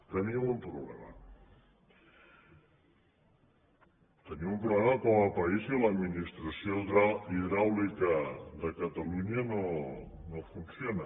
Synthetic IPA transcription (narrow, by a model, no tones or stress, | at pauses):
t̪əniɐmumpɾuβlema̰ | t̪əniumpɾuβlemakomalpɐizilad̪minist̪ɾasjoaiðɾawlikad̪əkat̪aluɲano | nofunsjona